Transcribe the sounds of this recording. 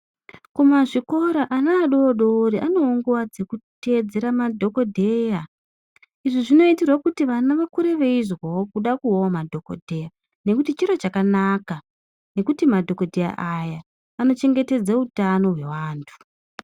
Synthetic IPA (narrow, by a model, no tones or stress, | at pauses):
kumaʐiko̞ɾaʔanaːɗoːɗo̞ːɾiʔano̞ːŋɡuwad͡ze̞kute̞d͡ze̞ɾamadʱo̞ko̞dʱe̞ja | iʐiʐino̞itirwakutiʋanaʋakuɾe̞ʋe̞izwawokuɗakuowamadʱo̞ko̰dʱe̞ja | ne̞kutit͡ʃiɾot͡ʃakanaka | ne̞kutimadʱo̞ko̞dʱe̞ja̰ʔajaː | no̞t͡ʃe̞ŋɡe̞te̞d͡zautano̞ɦwe̞waːntʰu̥